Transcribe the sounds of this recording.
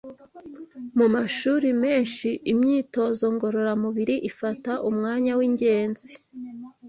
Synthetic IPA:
mumaʃuːɾime̞ːnʃiʔimɲiːto̞zo̞ŋɡo̞ɾo̞ɾamuβiɾiʔifataʔumŋaːɲawiɲɟe̞ːnzi

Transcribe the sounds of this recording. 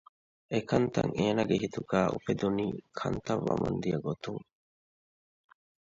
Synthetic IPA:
ʔekɐnt̪ɐŋeːnɐɡeɦit̪uɡæːʔufed̪uniːkʰɐnt̪ɐʋːɐmɐnd̪ijɐɡot̪uŋ

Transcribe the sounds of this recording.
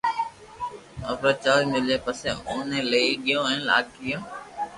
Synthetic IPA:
əpɾəːt͡ʃaːɾmɪleːpəsẽːʊːnẽːləiɠɪjõːɛẽːla̰ːkɪjõː

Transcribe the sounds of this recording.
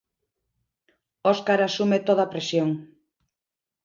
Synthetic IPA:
oskaɾasumet̪oð̞apɾesjoŋ

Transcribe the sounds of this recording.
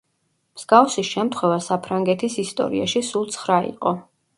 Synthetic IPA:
mz̥ɡafsisʃɛmt̪ʰχwɛvasapʰɾaŋɡɛt̪ʰisist̪ʼɔ̰ɾḭa̰ʃisulˠt̪sʰχɾaḭqʼɔ

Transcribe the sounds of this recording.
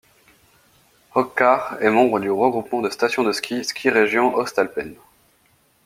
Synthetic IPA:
hɔkːaʁɛmɑ̃bʁəd̪yʁəɡʁupmɑ̃d̪əst̪asjɔ̃d̪əskʲiskʲʰiʁeʒjɔ̃ʔɔst̪alpɛn

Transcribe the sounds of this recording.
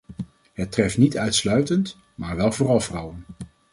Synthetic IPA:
ɦətrɛftnitœɥtslœɥtənt | maːɹʋɛlˠvʊːrɑlˠvrʌwən

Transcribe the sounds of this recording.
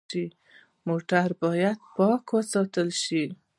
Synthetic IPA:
i | moʈaɾbɔjad̪̥̚pɔkwəsɔt̪əlʃi

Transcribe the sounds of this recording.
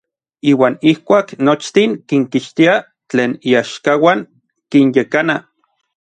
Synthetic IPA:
iːwaːnihkʷaːknot͡ʃt̪iŋkiŋkiʃt̪ia | t͡ɬeːniaʃkawaŋ | kinjekana

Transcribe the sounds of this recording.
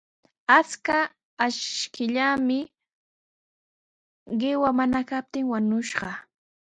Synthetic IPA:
at͡skaː | ʃkɪʎamɪ | ɢɪwamanakap̚t̪ɪŋwanʊʃɢɑ

